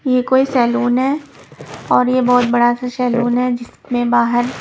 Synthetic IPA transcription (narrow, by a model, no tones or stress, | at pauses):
jekoːisɛːloːnɦɛː | ɔːɾjebɔːt̪̚bɐɽasasɛːloːnɦɛd͡ʒɪs | mẽbaːɦəɾ